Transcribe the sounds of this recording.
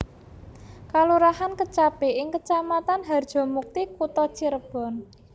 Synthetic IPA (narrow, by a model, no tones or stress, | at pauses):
kaluɾahankət͡ʃapeʔɪŋkət͡ʃamat̪anɦard̥ʒ̥ɔ̤muk̚t̪ikut̪ɔt͡ʃiɾəb̥ɔ̤n